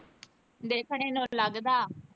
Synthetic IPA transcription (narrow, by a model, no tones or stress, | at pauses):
d̪eːkʰɳ̃eːnũːləɡd̪aː